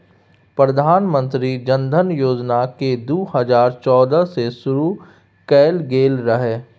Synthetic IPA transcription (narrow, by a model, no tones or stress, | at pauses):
pɾɐd̪ʱaːnmə̃nt̪ɾid͡ʒɐ̃nd̪ʱənjoːd͡ʒnaked̪uːhɐzaːɾt͡ʃɔːd̪əsesʊɾu | kɛːlɡeːlɾɐɦeː